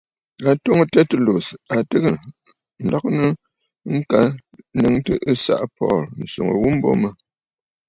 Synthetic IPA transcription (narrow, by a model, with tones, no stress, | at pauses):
a˨to˦ŋ˨tɛ˦tu˨lo˨sa˨tɨ˦ɣə˦˨ | n̩˨lɔ˦k̚nə˦ | ŋ̩˦ka˦nə˦˨ŋtə˦ʔɨ˦sa̰˦ʔpɔ̰ː˦˨ln̩˨so˨ŋə̰˨wu˦m̩˦bo̰˦mə˦